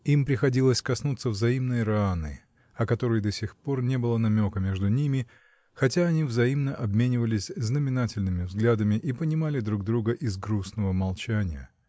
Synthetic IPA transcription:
impɾʲɪxɐdʲilˠəsʲkɐsnut̪sːəvzɐimnɨjɾɐanɨ̰ | ɐkɐt̪o̞ɾɨjd̪ɐsʲɪxpo̞rnʲe̞bɨlˠənɐmʲo̞kəmʲe̞ʐd̪ʊnʲimʲɪ | xɐt̬ʲaɐnʲivzɐimnəʔɐbmʲenʲɪvəlʲɪsʲznəmʲɪnatʲɪlʲnɨmʲɪvzɡlʲad̪əmʲɪʔipənʲɪmalʲɪd̪ɾuɡ̚d̪ɾuɡəʔɪzɡɾusnəvəmɐlˠt͡ɕænʲɪjə̰

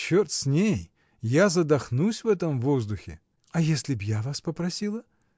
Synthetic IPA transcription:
t͡ɕːort̪sʲnʲej | jazɐd̪ɐxnusʲvɛt̪əmvozd̪ʊxʲɪ̰ | ɐjesʲlʲɪbjavaspəpɾɐsʲilˠə

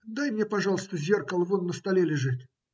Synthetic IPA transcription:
d̪ajmnʲepɐʐɑlˠəst̪əzʲe̞rkəlˠvonːəst̪ɐlʲelʲɪʐɨt̪

